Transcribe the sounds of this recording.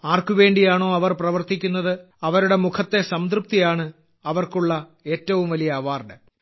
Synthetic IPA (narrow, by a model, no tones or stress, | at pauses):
aːrkuʋe̞ːɳɖijaːɳo̞ːɐʋɐrprɐʋɐrt̪ikʲːun̪ːɐðɨ | ɐʋɐɾuɽe̞mukʰɐt̪ːe̞sɐmd̪rɨp̚t̪ijaːɳɨ | ɐʋɐrkuɭːɐ | e̞ːtːɐʋumʋɐlijɐːʋaːrɖɨ